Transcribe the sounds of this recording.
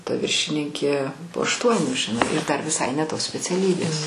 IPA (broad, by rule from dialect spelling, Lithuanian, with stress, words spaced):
tɐ ˈʋʲɪrʲʃʲɪnʲɪŋʲkʲeː poː ɐʃˈtuɔnʲuː ʒʲɪˈnɐɪ ɪr ˈdɐr ʋʲɪˈsɐɪ nʲɛ ˈtoːs sʲpʲɛt͡sʲɛˈlʲiːbʲeːs